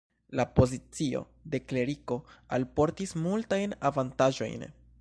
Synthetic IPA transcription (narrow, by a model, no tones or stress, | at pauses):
lapo̞zit͡sio̞̰ | de̞kle̞ɾiko̞alpo̞ɾtismultajnavantaʒo̞̰jn